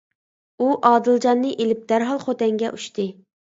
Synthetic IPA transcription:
uʔɑːd̪ɨlˠd͡ʒɑnːɨʔelɪp̚d̪̥æɾɦɑlˠχot̪ɛŋɡʲɛ̰ʔuʃt̪ɨ

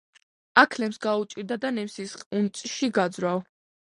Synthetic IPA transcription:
akʰlɛmsɡaut͡ʃʼiɾd̪ad̪anɛmsisχunt̪sʼʃiɡad̪zɾav

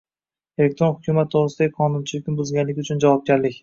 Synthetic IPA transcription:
e̞le̞k̚t̪ɾo̞nhʊkʲʰʊmat̪ːʰoʁɾɨsɪd̪aɡʲɪqʰɒnʊnt͡ʃʰɪlɪkʲnɪbʊzɡʲanlɪkʲʊt͡ʃʰʊnd͡ʒavɒp̚ɡʲaɾlɪkʲ

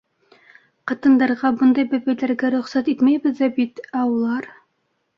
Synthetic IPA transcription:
qɑt̪ɤ̆nd̪ɑɾʁɑbɤnd̪ɑjbæbæjlæɾɡæɾɵ̆χsæt̪it̪mæjbɘ̆ðæbit̪æulˠɑɾ

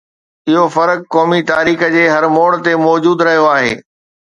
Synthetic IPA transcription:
ɪɦofɐɾəkːɔːmit̪aːɾiːxəd͡ʑeːɦɐɾmoːɽ̃t̪emɔːd͡ʑuːd̪ɾɐɦijoaːɦḛː

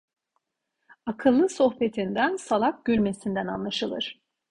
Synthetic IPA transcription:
akʰɯlˠːɯso̞xpe̞t̪ʰind̪ænsalˠap̚ɟ̥ylʲme̞sind̪ænanlˠaʃɯlˠɯ̰ɾ̥

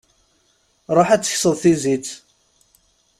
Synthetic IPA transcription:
ɾˤoħæt͡sːə̥çsəðˤθizit͡sː

